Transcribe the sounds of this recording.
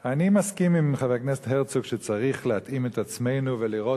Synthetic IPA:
animaskimimχaveknestɦeʁt͡sukʃet͡saʁiχlehat̪ime̞t̪at͡sme̞jnuveliʁo̞

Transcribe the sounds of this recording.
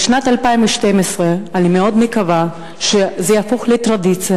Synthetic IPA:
ʃnat̪alpaimveʃt̪emesʁeanimeod̪mekava | ʃezejafoχlet̪ʁad̪it͡sia

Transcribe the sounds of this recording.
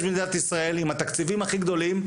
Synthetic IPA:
ʃmid̪at̪isʁae̞limat̪akt͡sivimaχiɡd̪o̞lim

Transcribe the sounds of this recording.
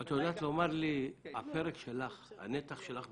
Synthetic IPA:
at̪od̪aːt̪lomaʁliapeʁekʃelaχha̰net̪aχʃelaχ

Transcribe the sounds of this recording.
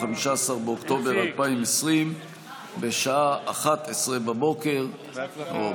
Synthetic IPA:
amiʃaasaʁbeokt̪o̞beʁalpaimesʁim | beʃaaʔaχat̪esʁebabo̞ke̞ʁ | o

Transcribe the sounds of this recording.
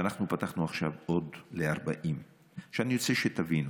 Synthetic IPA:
anaχnupat̪aχnuaχʃavo̞d̪leaʁba̰ʔim | ʃeanijo̞t͡seʃet̪avinu

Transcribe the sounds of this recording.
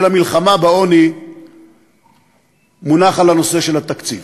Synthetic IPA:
lhamilχamabeo̞ni | munaχalano̞se̞ʃe̞lat̪akt͡sḭv

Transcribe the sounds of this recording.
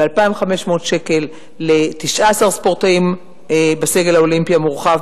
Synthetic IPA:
bealpaimvχame̞ʃmoːtʃe̞ke̞lː | etiʃʔaasaʁspo̞ʁtaim | ebase̞ɡe̞lhaolimpijamuʁχav

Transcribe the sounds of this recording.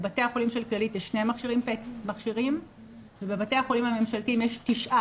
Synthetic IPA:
bate̞aχo̞limʃe̞lklalitjeʃːnemaχʃiʁimpetmaχʃiʁim | vebe̞bateaχolimhame̞mʃaltimjeʃtiʃʔa

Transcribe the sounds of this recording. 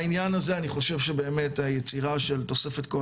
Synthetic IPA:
injanaze̞aniχo̞ʃe̞vʃebe̞ːme̞tajet͡siʁaʃe̞lto̞se̞fe̞tko

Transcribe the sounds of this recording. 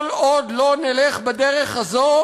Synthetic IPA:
lod̪loneleχbad̪eʁeχhazo

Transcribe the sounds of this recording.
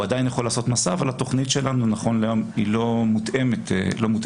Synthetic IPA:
adajinjaχo̞laːso̞t̪masaːvalat̪o̞χnitʃe̞lanunaχo̞nlejomilo̞mut̪ʔemet̪elo̞mut

